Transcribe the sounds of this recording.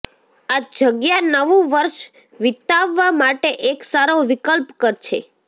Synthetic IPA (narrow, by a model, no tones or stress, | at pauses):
ad͡ʒəɡjanəʋũʋəɾʃ | ʋɪt̪aʋːamaʈeʔeksaɾoʋikəlpkəɾt͡ʃʰḛ